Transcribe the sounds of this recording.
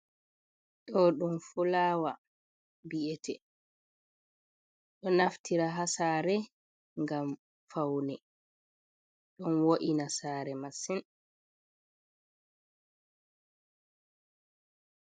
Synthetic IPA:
ɗɔɗumfulaːwa | biʔɛtʰɛ | ɗɔnaftʰiɾaɦasaːɾɛ | ŋɡam | fawnɛ | ɗɔnwoʔinasaːɾɛmasin

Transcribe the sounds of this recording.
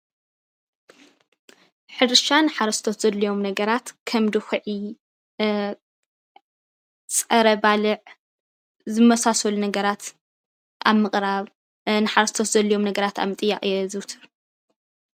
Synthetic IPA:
ħɨɾɨʃanɨħaɾɐst̪ʰot̪z̥ɐlːɐjo̞mnɐɡɐɾat̪kʰɐmd̪ɨxɨʕi | t͡sʼɐɾɐbalɨʕ | zɨmɐsasɐlunɐɡɐɾat̪ | a̰βmɨχʼɾaβ | nɨħaɾɐst̪ʰot̪zɐlːɐjo̞mnɐɡɐɾat̪ʰa̰βmɨt̪ʼɨjːaχʼjɛzɨwt̪ʰɨɾ

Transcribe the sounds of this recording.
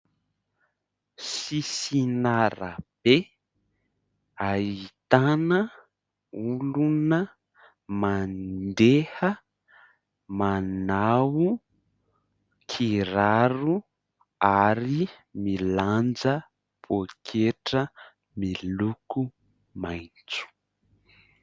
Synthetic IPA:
sisinaɾa̰b̥e | ait̪anə | ulunə | mandehə | manawu | kʰiɾaɾu | aɾi | miland͡zə | b̥okʰeʈ͡ʂə | miluku | majt͡su̥

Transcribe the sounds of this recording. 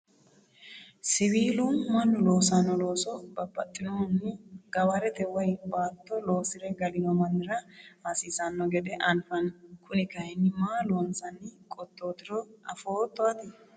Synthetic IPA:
sɪβiːlʊmɐnːʊloːsɐnːɔlo̞ːsɔbɐbːɐt̪ʼːɪnɔnːɪɡ̥ɐbɐɾɛt̪ɛwɔjbaːt̪ːɔlo̞ːsɪɾɛɡɐlɪnɔmɐnːɪɾɐhasiːsɐnːɔɡɛd̪ɛʔɐnfɐnkʊnɪkɐjnːɪmaːloːnsɐnːɪkʼɔt̪ʼːoːd̪ɪɾɔɐfo̞ːt̪ːɔɐt̪ɪ

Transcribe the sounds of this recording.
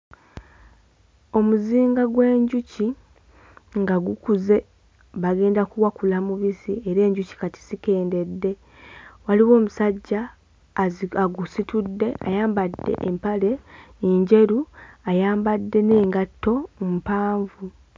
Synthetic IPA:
o̞muziːŋɡaɡwe̞ːɲɟuci | ŋɡaɡukuze̞ | βaɡe̞ːndakuwakulamuβisie̞ɾe̞ːɲɟuci̥kati̥zike̞ːnde̞dːe̞ | waliwo̞ːmusaɟːa | aɡusitudːe̞ʔa̰jaːmbadːe̞̰ʔempale̞ːɲɟe̞ɾuajaːmbadːe̞ne̞ːŋɡatːo̞mpaːɱvu

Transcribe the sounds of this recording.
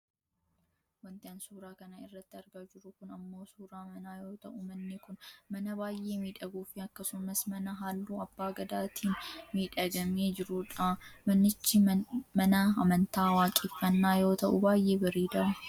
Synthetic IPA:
wɐnt̪ɪaːnsuːɾaːkɐnɐɪrːɐt̪ːɪɐɾɡaːd͡ʒɪɾʊkʊnɐmːo̞ːsuːɾaːmɐnaːjo̞ːt̪ɐ̰ʔʊmɐnːɪkʊnmɐnɐbaːjʔe̞ːmiːᶑɐɡuːfɪɐkːɐsʊmɐsmɐnɐɦaːlːuːɐbːaːɡɐd̪aːt̪ʰiːnmiːᶑɐɡɐmeːd͡ʒɪɾʊᶑamɐnːɪt͡ʃːɪmɐnɐɐmɐnt̪aːwaːkʼɪfːɐnːaːjo̞ːt̪ɐʔʊ̰baːjʔe̞ːbɐɾiːd̪ɐɾɐ

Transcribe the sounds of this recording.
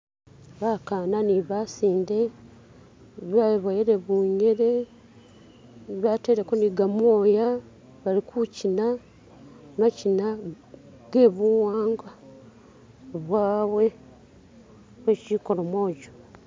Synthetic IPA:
βakananiβasiːnde̞ | βaβajiɾeβuːɲeɾe | βate̞ɾekoniɡamwoːja | βalikʰucina | macina | ɡe̞βuwaːŋɡa | βwaːwe̞ | βwet͡ʃiko̞ɾomwoːɟo

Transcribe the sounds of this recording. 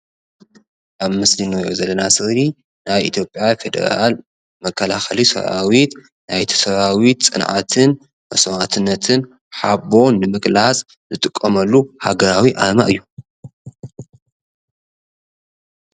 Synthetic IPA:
ʔaβmɨslinojo̰zɐlːɐnasɨɣli | najʔḭt̪ʰjo̞pʼjafe̞d̪ɐ̰ɾa̰l | mɐkʰːɐlaxɐlisɐ̰βa̰wit̪ | najt̪ʰi̥sɐβawit̪t͡sʼɨnʕa̰t̪ʰɨn | mɐsɐmat̪ʰɨnːɐt̪ʰɨn | ħabo̞nːɨmɨkʼlat͡sʼ | zɨt̪ʼɨkʼːɐmɐlːuhaɡɐɾawiʔa̰ma̰ʔɨjːu

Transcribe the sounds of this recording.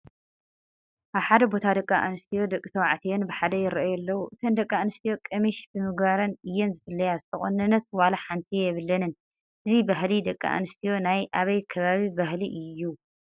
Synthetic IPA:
ʔaβħad̪ɐbo̞t̪ʰad̪ɐkʼːaʔa̰nɨst̪ʰijo̞d̪ɐkʼːit̪ʰɐwaʕt̪ʰijenbɨħad̪ɐjɪɾɐʔajɛlːɐwuʔɨt̪ʰɐnd̪ɐkʼːaanɨst̪ʰijo̞kʼɐmiʃbɨmɨɡβaɾɐnɨjːɛnzɨfɨlːɐjazɨt̪ʰɐχʼonːɐnːɐt̪̚walaħant̪ʰijɛβɨlːɐnɨn | ʔɨzibaɦlid̪ɐkʼːa̰ʔa̰nɨst̪ʰijo̞najʔaβɐjkʰɐβaβibahliʔɨjːu

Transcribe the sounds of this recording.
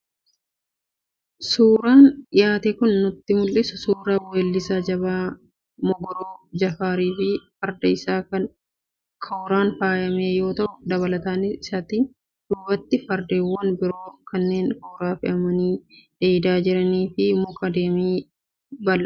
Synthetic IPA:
suːɾaːnɪjaːt̪eːkʊnːʊt̪ːɪmʊlʔɪsʊsuːɾaːweːlːɪsaːd͡ʒɐbaː | mɔɡɔɾoːd͡ʒɐfaːɾiːfɪfɐɾd̪ɐɪsaːkɐn | kʰɐwɾaːnfaːjɐmeːjo̞ːt̪ɐʔʊd̪ɐbɐlɐt̪aːnɪɪsɐt̪ɪ | d̪̥ʊbɐt̪ːɪfɐɾd̪eːwːɐnbɪɾo̞ːkɐnːe̞ːŋkɐːɾaːfɪʔɐmɐniːᶑ̪̥eːd̪aːd͡ʒɪɾɐniːfɪmʊkɐd̪eːmiː | bɐlɐ

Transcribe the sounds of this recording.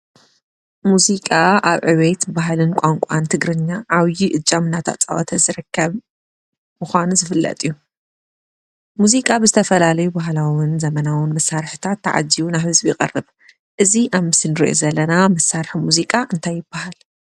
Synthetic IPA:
muzikʼaʔaβʕɨwet̪baɦlɨnkʷʼaŋkʷʼant̪ʰɨɡɾɨɲːaʔːβjiʔɨt͡ʃʼːamɨnːat̪ʰa̰t͡sʼa̰wɔt̪ʰɐzɨɾɨkʰːɐβ | muxʷanuzɨfɨlːɐ̰t̪ʼiju | muzikʼabɨzɨt̪ʰɐfɐlalɐjubaɦlawɨnzɐmɐnawɨnmɐsːaɾħɨt̪ʰat̪ːaʕa̰d͡ʒːiwunaβhɨzbijɪkʼɐ̰rːɨβ | ʔɨziʔaβmɨsɨnɨɾḭʔo̰zɐlːɐnamɐsaɾħmuzikʼaʔɨnt̪ʰajːɪb̥ːahal

